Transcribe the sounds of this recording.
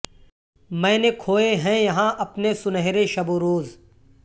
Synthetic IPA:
mɛ̃ːnekʰoːeɦɛ̃jɐɦãʔɐpnesʊnəɦɾeʃɐboɾoːz

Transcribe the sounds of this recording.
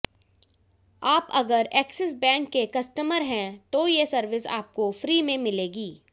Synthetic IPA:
aːpɐɡəɾɛːksɪs̬bɛ̃ːŋkːekɐsʈəməɾɦɛ̃t̪ojesɐɾʋɪsa̰ːp̚kofɾiːmẽmɪleːɡiː

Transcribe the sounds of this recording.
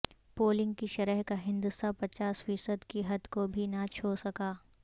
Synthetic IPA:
poːlɪ̃ŋɡkiʃɐɾəɦkaɦɪ̃nd̪ust̪apɐt͡ʃaːsfiːsəd̪kiɦɐd̪kobʱinɐt͡ʃʰoːɾsɐkaː

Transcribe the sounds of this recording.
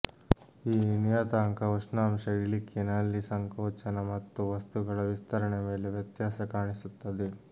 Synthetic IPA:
iːnijaːt̪aːŋkɐuʂnaːmʃɐjɭikʰːinɐlːisɐŋkoːt͡ʃɐnɐmɐt̪ːuʋɐst̪uɡɐɭɐʋist̪ʰɐɾɐɳeme̞ːleʋjɐt̪jaːsɐkaːɳisut̪ːɐd̪e

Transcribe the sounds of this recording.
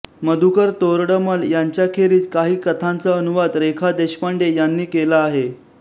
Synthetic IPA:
məd̪ʱukəɾt̪oɾɽəməljaɲt͡ɕjakʰeɾiːt͡skaɦiːkət̪ʰãnt͡səənuʋad̪ɾekʰad̪eɕpəɳɖejanːiːkelaːɦe

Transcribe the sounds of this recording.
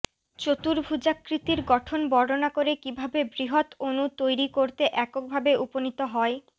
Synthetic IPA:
t͡ɕot̪uɾbʱud͡ʑakɾit̪iɾɡɔʈʰonbɔɽonakoɾekibʱabebɾiɦot̪onut̪ojɾikoɾt̪eʔɛkok̚bʱabeʔuponit̪oɦɔe

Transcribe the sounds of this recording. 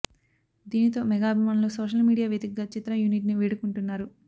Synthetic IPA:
d̪iːnit̪o̞ːmɛɡaːɐbʱimaːnlo̞ːsoːʃɐlmiːɽijaːʋjed̪ikɡaːt͡ʃit̪ɾɐjuniʈniʋiːɽukuɳʈunːaːɾu

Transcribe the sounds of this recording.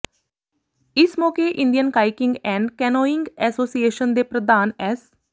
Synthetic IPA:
ɪsmɔːkeːʔɪ̃nd̪ijənkaːɪkɪŋɡɛ̃ːɳɖkɛːnoːɪŋɡɛːsoːsieːʃənd̪eːpɾəd̪aːnɛːs

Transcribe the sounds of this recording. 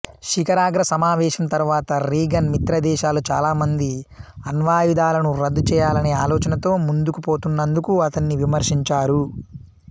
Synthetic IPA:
ʃikɐɾaːɡɾɐsɐmaːʋɛːʃɐnt̪ɐɾʋaːt̪ɐɾiːɡɐnmit̪ɾɐd̪ɛːʃaːlut͡ʃa̰ːlaːmɐnd̪iɐnʋaːjud̪aːlɐnuɾɐd̪ːut͡ʃɛːjaːlɐne̞ːaːlɔːt͡ʃɐnɐt̪o̞ːmund̪ukupo̞ːt̪unːɐnd̪ukuɐt̪ɐnːiʋimɐɾʂiɲt͡ʃaːɾu

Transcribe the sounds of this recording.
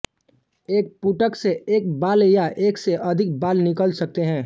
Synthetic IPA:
eːk̚puʈəkseeːk̚baːljaʔeːkseʔɐd̪ʱɪk̚baːlnɪkəlsɐk̚t̪eɦɛ̃ː

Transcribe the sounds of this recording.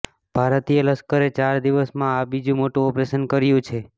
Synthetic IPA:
b̥ʱaɾət̪ijələskəɾet͡ʃaɾd̪iʋəsmãabid͡ʒũmoʈũɔpɾesənkəɾjũt͡ʃʰe

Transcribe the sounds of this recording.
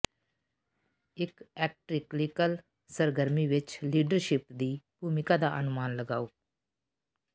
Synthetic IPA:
ɪkɛːk̚ʈɾɪklɪkəl | səɾɡəɾmiːʋɪt͡ʃliːɖəɾʃɪpd̪iːbʱuːmɪkad̪aːʔənʊmaːnləɡaːoː

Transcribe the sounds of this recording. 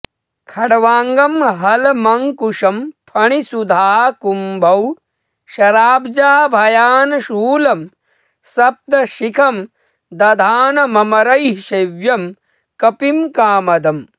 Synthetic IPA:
kʰɐɽɐʋaːŋɡɐmɦɐlmɐŋkuʂɐmpʰɐɳisud̪ʱaːɦɐkumbʱɐw | ʃɐɾaːbd͡ʒaːbʱɐjaːnɐʃuːlɐm | sɐb̚d̪ɐʃikʰɐm | d̪ɐd̪ʱaːnɐmɐmɐɾɐjʃɐʋjɐm | kɐpimkaːmɐd̪ɐm

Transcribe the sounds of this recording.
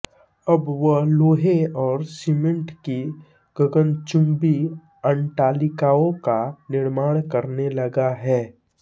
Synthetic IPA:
ɐbʋəloːɦeɔːɾsimə̃ɳʈki | ɡ̥əɡənt͡ʃʊ̃mbi | əɳʈaːlɪkaːõkanɪɾmaːɽ̃kɐɾnelɐɡaɦɛː

